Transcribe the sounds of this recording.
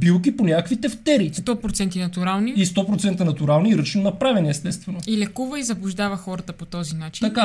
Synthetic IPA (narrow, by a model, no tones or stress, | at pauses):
bilˠkiponʲakəkvit̪ɛft̪ɛɾit̪ɔpɾot̪sɛnt̪inɐt̪uɾalˠniist̪ɔpɾot̪sɛnt̪ənɐt̪uɾalˠniɾɤt͡ʃnonɐpɾavɛniɛst̪ɛst̪vɛnoilɛkuvəizɐblˠʊʒd̪avɐxɔɾət̪əpot̪ɔzinat͡ʃiɐka